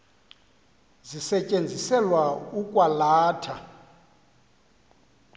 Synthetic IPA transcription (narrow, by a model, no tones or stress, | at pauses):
zisɛt͡ʃʼend͡zʱisɛlwaukʼwalaːtʰa